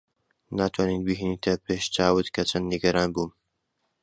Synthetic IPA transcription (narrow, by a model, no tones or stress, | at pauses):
naːt̪ʰwaːninbiɦinit̪ʰɐpeːʃt͡ʃaːwɨt̪kʰɐt͡ʃʰɐnd̪niɡɐɾaːnbuːm